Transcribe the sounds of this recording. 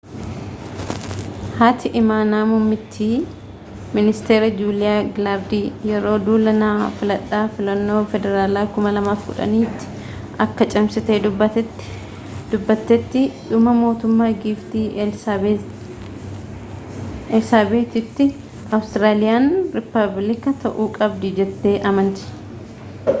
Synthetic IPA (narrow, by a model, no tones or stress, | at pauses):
haːt̪ʰɪʔɪmaːnaːmʊmːɪt̪ʰːiː | mɪnɪst̪e̞ːɾɐd͡ʒuːlɪjaːɡlaɾd̪iːjɛɾo̞ːd̪uːlɐnaːfɪlɐᶑːaːfɪlɐnːo̞ːfɛd̪ɛɾaːlaːkʊmɐlɐmaːfɡʊᶑɐ̰niːt̪ːɪ̥ | ʔɐkːɐt͡ʃʼɐmsɪt̪eed̪ʊbːɐt̪ɛt̪ːɪ̥ | d̪̥ʊbːɐt̪ːɛt̪ːɪᶑʊmɐmo̞ːt̪ʊmːaːɡiːft̪iː | ɛlsaːbeːt̪ɪt̪ːɪ | ɐwst̪ɪɾaːlɪjaːnɾɪpːɐblɪkɐt̪ʰɐʔuːkʼɐbd̪ɪd͡ʒɛt̪ːe̞ːʔɐmɐnt̪ɪ̥